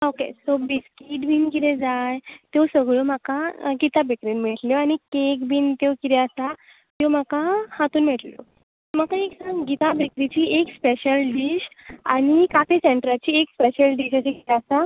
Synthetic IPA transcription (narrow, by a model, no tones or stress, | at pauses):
okḛsobiskiʈbinkid̪ed͡zajt̪jowsəɡɭom̤akaɡit̪abekɾinmiʈljɔaɽ̃ikekbiːnt̪ekiɾɛasa | t̪jem̤akahat̪uːnmiʈljo̰ | m̤akaeksãŋɡɡit̪abekɾit͡ɕiːekspeɕəlɖiɕa̰ɽ̃ikat̪iseɳʈɾat͡ɕiːekspeɕəlɖiɕaseɡit̪easa